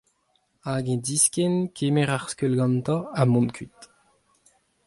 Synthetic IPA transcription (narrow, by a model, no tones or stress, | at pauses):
aɡɛ̃d̪iskɛnkʰemɛʁaʁskølɡɑ̃nt̪ɔ̃amɔ̃nkʰyt̪